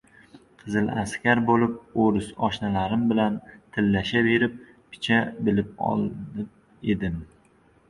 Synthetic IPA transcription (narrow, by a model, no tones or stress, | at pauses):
qʰɨzɪla̰skʲaɾbolɪp̚oɾɪsɒʃnalaɾɪmbɪlant̪ʰɪlːaʃabe̞ɾɪp̚ | pʰɪ̥t͡ʃʰabɪlɪp̚ɒ̰lˠd̪ɪ | e̞d̪ɪm